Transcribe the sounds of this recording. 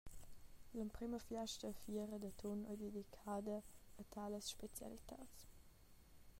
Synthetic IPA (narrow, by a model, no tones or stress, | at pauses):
ləmpɾiməfjaʃtəfiəɾəd̪ət̪ʰɔnɔ̰jd̪ed̪ikʰaːd̪əət̪ʰaləsʃpet͡sja̰lit̪ʰa̰ːt͡s